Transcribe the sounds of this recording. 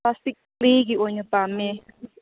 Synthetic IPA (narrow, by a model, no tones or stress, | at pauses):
astik | lik̬iɔɲɔb̥ʱamɛ